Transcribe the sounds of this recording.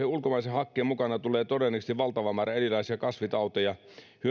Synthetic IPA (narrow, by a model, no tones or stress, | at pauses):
eulkomɑisehɑkːeːmukɑnɑt̪uleːt̪odenːiksniʋʋɑlt̪ɑʋɑmæːrɑelilɑisiɑkɑsʋit̪ɑut̪ojɑ | hyø